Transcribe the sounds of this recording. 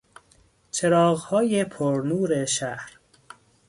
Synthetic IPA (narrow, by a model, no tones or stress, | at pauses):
t͡ʃʰeɾɒːɣhɒːjepʰoɾnuːɾeʃæhɾ